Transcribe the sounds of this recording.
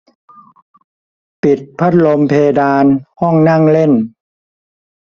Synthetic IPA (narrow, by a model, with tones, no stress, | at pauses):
pi˨˩t̪̚pʰa˦˥t̪̚lo˧mpʰeː˧daː˧nhɔ˥˩ŋna˥˩ŋle˥˩n